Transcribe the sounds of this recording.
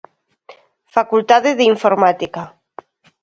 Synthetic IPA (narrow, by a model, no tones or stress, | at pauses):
fakult̪aðeðiɱfoɾmat̪ika